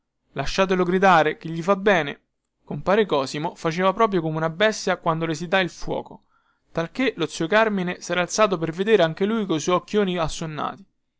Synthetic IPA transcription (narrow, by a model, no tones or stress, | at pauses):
laʃːaːt̪̬eloɡɾid̪aːɾek̟iʎːifabːɛːne | kompaːɾekɔːsimofat͡ʃeːvapɾɔːp̬ɾjokomeunabɛst̪jakwand̪olesid̪ailfwɔ̰ːko | t̪alk̟elot̪sːiokarminesɛːɾaːlt̪saːt̪̬op̬erved̪eːɾeaŋk̟elujkojsɔjɔkːjoːniasːonːa̰ːt̪i̥